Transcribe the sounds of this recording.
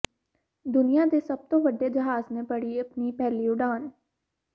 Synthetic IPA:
d̪ʊnijãːd̪eːsəb̚t̪õːʋəɖeːd͡ʒəɦaːznẽːpəɽiːəpniːpɛːliːʊɖaːn

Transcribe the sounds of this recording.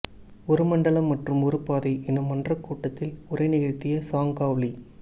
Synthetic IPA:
ɔɾɯmɐɳɖɐɭɐmːɐʈrɯmɔɾɯpːaːðɐɪʔɛnːɯmːɐɳdrɐkːuːʈːɐt̪ːɪlʊrɐɪnɪɣɐɻt̪ːɪjɐsaːŋɡaːʋɭi

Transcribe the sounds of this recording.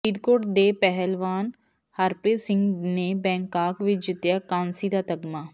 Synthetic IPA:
id̪koːʈd̪eːpɛɦəlʋaːn | həɾpeːsɪ̃ŋɡneːbɛ̃ːŋkaːkʋɪt͡ʃd͡ʒɪt̪jaːkãːnsiːd̪aːt̪əɡmaː

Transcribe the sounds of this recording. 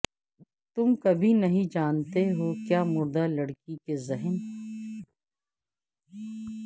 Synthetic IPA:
t̪ʊmkɐbʱinɐɦĩd͡ʒaːnt̪eɦoːkjaːmʊɾd̪alɐɽkikezɛɦən

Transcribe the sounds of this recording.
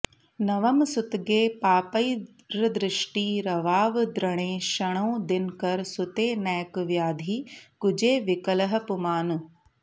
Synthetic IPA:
nɐʋɐmsʊt̪ɡeːpaːpəi | ɾəd̪ɾɪʃʈiːɾɐʋaːʋd̪ɾɐɽ̃eːʃɐɽ̃ɐũd̪ɪnkɐɾsʊt̪eːnɛːkʋjaːd̪ʱiːkʊd͡ʑeːʋɪkəlɐɦɐ̆pʊmaːnu

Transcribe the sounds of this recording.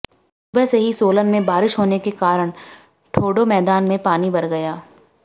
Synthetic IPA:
ʊbɛseɦisoːlənmẽbaːɾɪʃɦoːnekekaːɾəɽ̃ | ʈʰoːɖomɛːd̪aːnmẽpaːnibɐɾɡɐjaː

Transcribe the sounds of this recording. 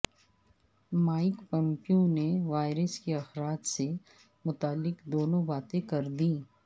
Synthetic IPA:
maːɪkpɐ̃mpiõneʋaːɪɾəskeɐxɾaːd͡ʒse | mʊt̪aːlːɪkd̪oːnõbaːt̪ẽkɐɾd̪iː

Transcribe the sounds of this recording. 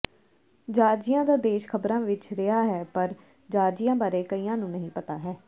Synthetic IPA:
d͡ʒaːɾd͡ʒɪjãːd̪aːd̪eːʃkʰəbɾãːʋɪt͡ʃɾɪaːɦɛːpəɾ | d͡ʒaːɾd͡ʒijãːbaːɾeːkəiːãːnũːnəɦĩːpət̪aːɦɛː

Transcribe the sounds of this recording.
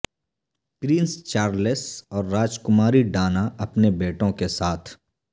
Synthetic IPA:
pɾɪ̃nst͡ʃaːɾlesɔːɾːaːd͡ʒkʊmaːɾiɖaːnaʔɐpnebeːʈõkesaːt̪ʰ

